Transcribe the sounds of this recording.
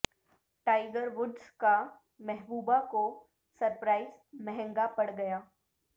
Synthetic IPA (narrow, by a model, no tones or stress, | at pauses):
ʈaːɪɡəɾʋʊɖska | mɛɦbuːbako | sɐɾpɾaːɪzmɛɦɛ̃ŋɡapɐɽɡɐjaː